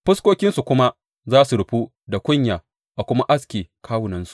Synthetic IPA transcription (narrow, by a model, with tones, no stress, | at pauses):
ɸʊ˦skʷoː˦kʲɪ˦nsu˨kʷʊ˦ma˦ | zaː˦su˨ɽʊ˨ɸu˦ | da˨kʷʊ˦ɲjaː˨ | ʔa˨kʷʊ˦ma˦ʔa˦skʲeː˨kʰaː˦wʊ˨nɐ˦nsu̥˨ʔ